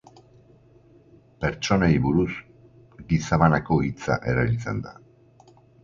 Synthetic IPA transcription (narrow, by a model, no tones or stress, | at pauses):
pe̞ɾt͡ʃo̞naiβuɾus | ɡisaβanako̞it͡sa̰ʔeɾaβit͡sḛnd̪a̰